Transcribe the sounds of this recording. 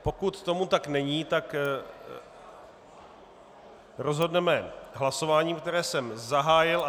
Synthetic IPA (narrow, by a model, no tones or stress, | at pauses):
po̞kut̪ːo̞mut̪aknɛɲiːt̪ak | ɾo̞zɦo̞dnɛmɛɦlaso̞vaːɲiːmkt̪ɛɾɛːsɛmzaɦaːjɪla